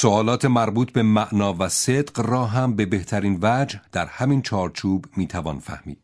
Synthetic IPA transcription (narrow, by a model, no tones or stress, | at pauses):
soɒːlɒːt̪ʰe̞mæɾbuːt̪ʰbe̞mæʔnɒːvæsed̪qrɒːɦæmbe̞be̞ht̪ʰæɾiːnvæd͡ʒhd̪̥æɾhæmiːnt͡ʃʰɒːɾt͡ʃʰuːbmiːt̪ʰævɒːnfæ̰hmḭːd̪̥̚